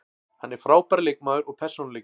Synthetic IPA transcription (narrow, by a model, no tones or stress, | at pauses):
hanːɛɾ̥fɾaːwpaɾlɪk̚maðʏɾɔɣpʰɛr̥sownlɪ